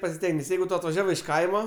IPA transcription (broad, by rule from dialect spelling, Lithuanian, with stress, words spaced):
pɐsʲɪˈsʲtʲɛŋʲɡʲɛs ˈjɛɪɡʊ ˈtoː ɐtʋɐˈʒʲæːʋɐɪ ɪʃ ˈkɐɪmɐ